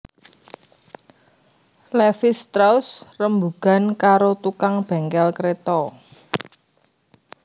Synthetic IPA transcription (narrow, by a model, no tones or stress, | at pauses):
lɛfɪst̪ɾausrəmbuɡ̥a̤nkaɾot̪ukaŋb̥ɛ̤ŋkɛlkɾet̪ɔ